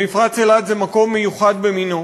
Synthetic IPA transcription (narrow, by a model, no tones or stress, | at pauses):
ifʁat͡selad̪zemako̞mːejuχad̪̚bemino